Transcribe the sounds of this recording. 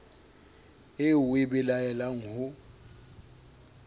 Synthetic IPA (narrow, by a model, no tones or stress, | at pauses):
ɪwɪbɪlaɛlaŋ̩hʊ